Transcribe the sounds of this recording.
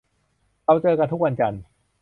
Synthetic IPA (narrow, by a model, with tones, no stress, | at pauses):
ka˧wt͡ɕɤː˧ka˧nt̪ʰu˥k̚wa˧nt͡ɕa˧n